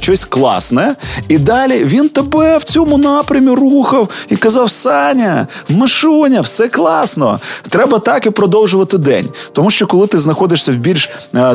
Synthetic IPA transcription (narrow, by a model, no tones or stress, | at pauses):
t͡ʃɔsʲklˠɑ̰snɛɛid̪ɑlʲiʋʲint̪ɐbɛwt͡sʲɔmʊnɑpɾʲɐmʲiruxɐwikɐzɑwsɑnʲɐmɐʃunʲɐwsɛklˠɑsnɔt̪ɾɛbɐt̪ɑkipɾɔd̪ɔwʒʊʋɐt̪ɪd̪ɛ̰nʲt̪ɔmuʃt͡ʃɔkɔlˠɪt̪ɪznɐxɔd̪ɪʂsʲɐwbʲilʲʃ